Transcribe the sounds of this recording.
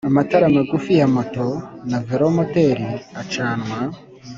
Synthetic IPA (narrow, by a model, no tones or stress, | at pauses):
amataɾamaɡufijamotonaveɾomoteɾiat͡ʃaːnwa